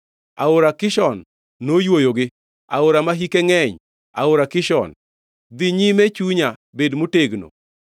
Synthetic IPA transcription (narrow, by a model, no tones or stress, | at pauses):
aʊɾakɪʃɔnː | ojwojoɡɪ | a̰ʊɾamaɦikeŋɛɲ | a̰ʊɾakɪʃɔ̰n | d̪ɪɲimet͡ʃuɲabedmuteɡno̰